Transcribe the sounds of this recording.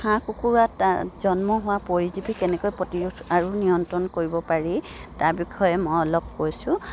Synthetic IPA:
xãkukuɹataz̥ɔnmɔɦʊwapoɹizibikɛnɛkojpɹɔtiɹuaɹunijɔntɔnkoɹibɔpaɹitaɹbikʰɔjɛmɔjɔlɔp̚kojsʊ̃

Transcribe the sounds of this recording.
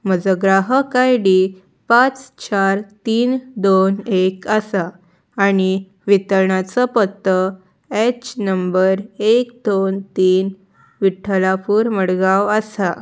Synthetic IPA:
məd͡zəɡɾaɦəkajɽi | pãt͡st͡ɕaɾt̪iːnd̪onekəsaː | ɽ̃i | ʋit̪əɾɳat͡sɔpət̪ːə | ɛt͡ɕnəmbəɾekd̪ont̪iːn | ʋiʈʰəlapuːɾməɽɡaʋəsa

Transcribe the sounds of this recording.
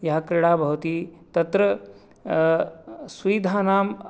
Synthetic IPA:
jɐɦɐkɾɪɽaːbʱɐʋt̪iːt̪ɐt̪ɾɐ | sʋiːd̪ʱaːnaːm

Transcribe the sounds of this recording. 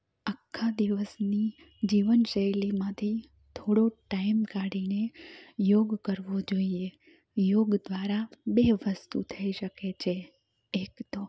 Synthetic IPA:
akʰːad̪iʋəsni | d͡ʒiʋənʃəjlimãt̪ʰi | t̪ʰoɽoʈaimkaɽinejoɡkəɾʋod͡ʒoie | joɡd̪ʋaɾabeʋəst̪ṵt̪ʰəiʃəket͡ʃʰe | ekt̪o

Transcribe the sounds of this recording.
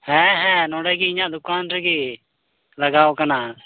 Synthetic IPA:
hɛ̃ːɦɛ̃ːnõːɽeːkiɪ̃jãːd̪ʊkaːnɾəkeː | ləɡaːoːkənaː

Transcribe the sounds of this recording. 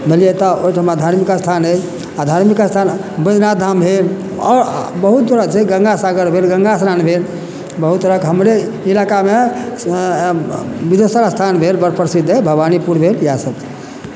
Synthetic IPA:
bʱelijet̪ɔoʈʰəmad̪ʱaɾmikast̪ʰanət͡ʃ | ad̪ʱaɾmikast̪ʰan | bəd͡ʒnad̪ʱambʱel | ɔɾbəɦut̪t̪əɾəkt͡ʃʰeɡə̃ŋɡasaɡəɾbʱelɡə̃ŋɡasɾanbʱel | bəɦut̪ːəɾəkɦəmɾe | ilakame | bid̪esəɾast̪ʰanbʱelbəɾpʰəɾsid̪ʱːebʱəbanipuɾbʱeljasəb̚t͡ʃʰe̥

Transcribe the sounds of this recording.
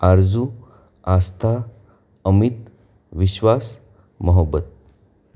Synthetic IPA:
aɾd͡zu | ast̪ʰa | əmit̪ | ʋiɕʋas | məɦəbːət̪̚

